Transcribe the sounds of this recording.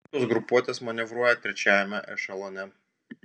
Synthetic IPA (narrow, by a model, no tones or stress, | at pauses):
oːsɡɾʊpuɔt̪ʲeːsmɐnʲɪʋɾuɔjɛt̪ʲɾʲɛt͡ʃʲæːjɛmʲɛʔɛʃɐlˠonʲɛ